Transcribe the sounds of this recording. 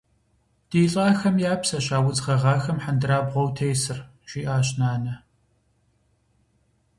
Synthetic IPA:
d̥iːɬʼaːxɐmjaːpsɐɕaːwʊzʁɐʁɑːxɐmħandɨɾaːbʁʷɔwtʰeːsɨr | ɕʷiːʔaːɕnaːnɐ

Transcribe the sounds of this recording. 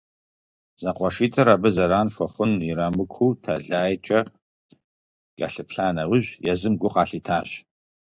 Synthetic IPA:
z̥ɐqʷɔʂiːtʰɐɾaːbɨzɐɾaːnfʷɔχʷʊniɾaːmɨkʷʰuːtʰaɮaːjt͡ʃʼɐ | ɡ̥a̰ɬɨpɬaːnɐwʊʑjɛzɨmɡʷʊqɑːɬiːtʰaːɕ

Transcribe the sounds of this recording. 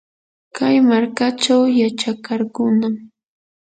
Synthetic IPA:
kajmaɾkat͡ʃawjat͡ʃakaɾkʊnam

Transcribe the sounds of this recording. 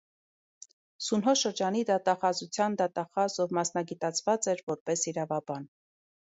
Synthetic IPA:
sunɦɔʃəɾd͡ʒɑnid̪ɑt̪ɑχɑzut͡sʰjɑnd̪ɑt̪ɑχɑzɔvmɑsnɑɡit̪ɑt͡sʰvɑt͡sɛɾvɔɾpɛsiɾɑvɑbɑn

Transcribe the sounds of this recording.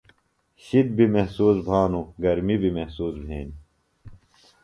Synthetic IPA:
ɕid̪̚bimehsuːsbʱaːnuɡɐɾmibimehsuːsbʱeːni

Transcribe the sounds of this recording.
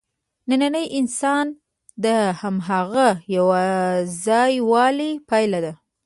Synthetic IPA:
nananəjʔɪnsɑn | d̪əhamɦaɣajawazɑjwɑlipajlad̪a

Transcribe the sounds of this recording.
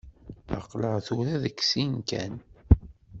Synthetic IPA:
ɑ̰qləʁθuɾæðəksinkæ̰n

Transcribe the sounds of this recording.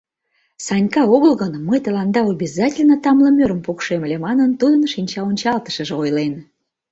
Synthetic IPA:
sɑnʲkɑoɣəlɣənmːəjt̪əlɑnd̪ɑobʲizɑtʲelʲnət̪ɑmləmʲøɾəmpukʃeməlʲemɑnənt̪ud̪ənʃinʲt͡ɕɑonʲt͡ɕɑlt̪ə̥ʃə̆ʒeojlen

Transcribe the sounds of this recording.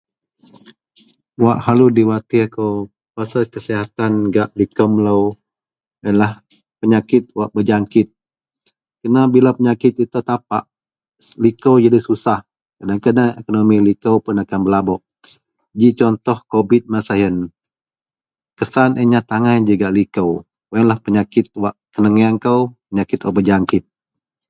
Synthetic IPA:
waʔhaludiwat̪ikəw | pasakəsiɦat̪anɡaʔlikəmləw | əlah | pəɲakɪt̪̚waʔbəd͡ʒaŋkɪt̪̚ | kənabilapəɲakɪt̪̚it̪ut̪ap̚aʔ | likəwjadisusah | kadaŋkadaŋekonomilikəwpʊnakanbəlabɔʔ | d͡ʒit͡ʃɔnt̪ɔhkobɪt̪̚masajən | kəsanʔəɲat̪aŋajd͡ʒuɡaʔlikəw | wənlahpəɲakɪt̪̚waʔkənəŋiankəwpəɲakɪt̪wa̰ʔbəd͡ʒaŋkɪt̪̚

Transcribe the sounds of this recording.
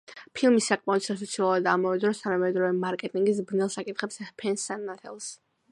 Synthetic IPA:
pʰilˠmisːakʼmɛɔd̪sas̬ɔt̪sʰilˠuad̪amɔvɛd̪ɾɔst̪ʰanamɛd̪ɾɔvɛmaɾkʼɛt̪ʼiŋɡis̬bnɛlˠsakʼit̪ʰχɛpspʰɛnsanːat̪ʰɛ̰lˠs

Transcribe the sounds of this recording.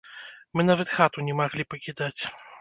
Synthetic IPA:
mɨnavɐt̪xat̪unʲɛmaɣlʲipɐkʲid̪at͡sʲ

